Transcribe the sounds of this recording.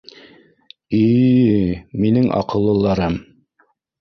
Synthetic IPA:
i | minɘŋʔɑ̰qɤ̆lˠːɤ̆lˠːɑɾɤm

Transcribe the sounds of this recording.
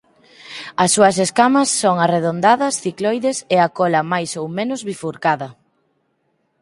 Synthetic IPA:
ɐsːuɐs̬eskamɐsːoŋareðond̪aðɐsθiklɔjðeseakɔlɐmajsowmẽnʊzβifuɾkaðɐ

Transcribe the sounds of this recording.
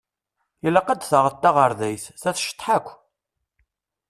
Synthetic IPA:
jəlːaqːad̪θəʁət̪ːaʁəɾðæjθθæθʃə̥t̪ˤːħakʷː

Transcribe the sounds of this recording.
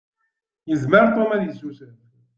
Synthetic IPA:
jəzməɾt̪ˤomæðisusən

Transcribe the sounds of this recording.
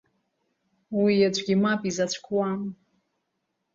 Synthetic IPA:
wijad͡ʒʷʰʼɡʲimapʼizat͡ʃʷʰʼkʷʰwam

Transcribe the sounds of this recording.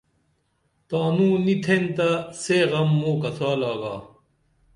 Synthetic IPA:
t̪aːnũːnit̪ʰent̪ɐseːɣɐmːoːkɐsʰaːlaːɡaː

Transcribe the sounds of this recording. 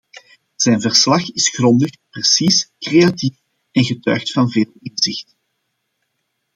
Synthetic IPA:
z̥ɛnvərslɑxɪsxrɔndəxprəsiskreatif | ɛnɣətœ̰ːxtfɑnveːlˠɪnz̥ɪxt

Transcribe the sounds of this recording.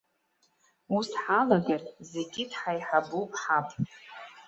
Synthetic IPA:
usħalaɡarze̞ɡʲɪdħajħabupʼħapʼ

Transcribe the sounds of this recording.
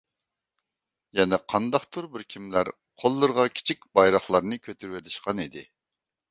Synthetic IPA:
jɛnɛqʰɑnd̪ɑχt̪ʰuɾbɪɾkʲʰimlæɾ | qʰolˠːɨɾʁɑkʲʰi̥t͡ʃʰik̚ʲbɑjɾɑχlˠɑɾnɨkʲʰøt̪ʰyɾwɛt̪ʰɪʃqɑnid̪ɪ

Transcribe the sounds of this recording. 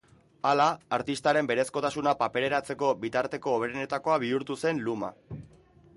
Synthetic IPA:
alaːɾt̪ist̪aɾe̞mbe̞ɾe̞sko̞t̪asunapape̞ɾe̞ɾat͡se̞ko̞bit̪aɾt̪e̞ko̞ːβɾene̞t̪ako̞aβ̞iuɾt̪use̞nluma̰

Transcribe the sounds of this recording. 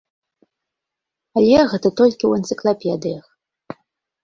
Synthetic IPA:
alʲɛɣɛt̪ɐt̪ɔlʲkʲiwɛnt̪sɨklˠapʲɛd̪ɨjɐx

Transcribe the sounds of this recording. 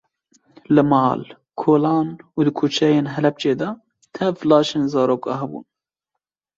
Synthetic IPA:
lɨmɑːl | kʰoːlɑːnuːd̪ɨkʰuːt͡ʃʰɛjeːnɦɛlɛp̚t͡ʃeːd̪ɑ | t̪ʰɛvlɑːʃeːnzɑːɾoːkɑ̰ɦɛbṵːn

